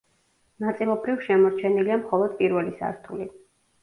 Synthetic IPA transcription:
nat̪sʼilˠɔbɾivʃɛmɔɾt͡ʃʰɛniliamχɔlˠɔd̪̥pʼiɾvɛlisa̰ɾt̪ʰuli

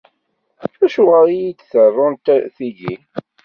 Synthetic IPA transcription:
æʃʊʁəɾijid̪θərˤːʊnt̪θiʝi

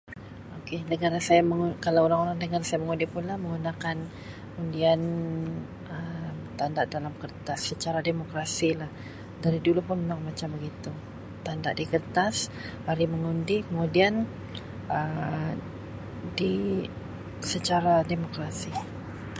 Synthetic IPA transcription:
okenəɡaɾasajaməŋukalawoɾaŋoɾaŋnəɡaɾasajaməŋundipunlahməŋɡunakan | undian | əmt̪andaʔdalamkərt̪asːət͡ʃaɾademokɾasilah | daɾidulupʊnunaŋmat͡ʃambəɡit̪u | t̪andaʔdikərt̪as | haɾiməŋundikəmudian | ʔə | di | sət͡ʃaɾademokɾasi

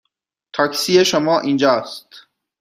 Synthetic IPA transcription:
t̪ʰɒːksiːjeʃomɒːʔind͡ʒɒːst̪

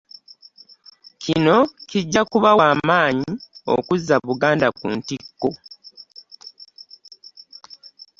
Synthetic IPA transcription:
cʰino̞ciɟːakuβawaːmaːɲio̰kuzːaβuɡaːndakṵːntikːo̞

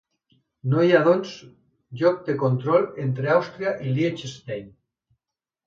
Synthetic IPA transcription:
nojaðons | ʎok̚d̪ekont̪ɾolent̪ɾeawst̪ɾjaʔiljet͡ʃest̪ejn

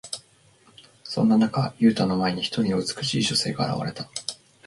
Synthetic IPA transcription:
sõ̞nːanakajɯ̟ːt̪aːno̞mae̞ɲ̟içi̥t̪o̞ɾʲinoɯ̟t͡sɨ̥kɯ̟ɕiːɕo̞se̞̰ːɡaaɾa̰βa̰ɾe̞t̪ḁ

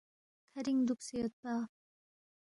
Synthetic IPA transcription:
kʰaɾiŋd̪uk̚s͈ejʌt̚t͈ːa

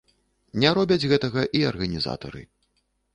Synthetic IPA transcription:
nʲɛɾɔbʲɐd͡zʲɣɛt̪ɐɣɐʔiɐrɣɐnʲiza̰t̪ɐ̰ɾɨ̰

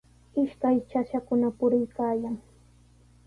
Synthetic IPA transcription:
ɪʃkajt͡ʃaʃakʊnapʊɾɪjkaːjaŋ

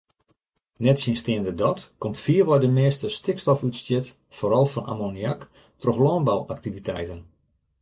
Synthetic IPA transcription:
nɛtsinstɪəndədɔtkomtfiərʋɔjdəmɪːstəstɪkstɔfytstjɪt | foːɾɔlˠfɔnʔa̰moniak | troxlɔːnbawak̚tivitʰɛ̰jtən

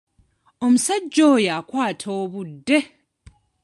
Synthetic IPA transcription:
omusaɟːoːjakwaːtʰoːβudːe

